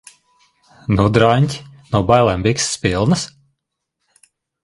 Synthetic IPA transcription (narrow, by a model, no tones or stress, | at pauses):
nud̪ɾanʲt̪ʲnubajlˠɛmbʲiksːpilˠnɨs